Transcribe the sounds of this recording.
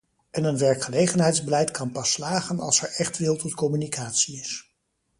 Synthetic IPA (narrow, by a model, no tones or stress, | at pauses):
ʔɛnənʋɛɹkχəlejχənɦɛjtzbəlɛjtkɑnpɑslaːχənɑ̰lˠsɛɹɛχtʋɪlˠtɔtkɔmynikʰaːtsiɪs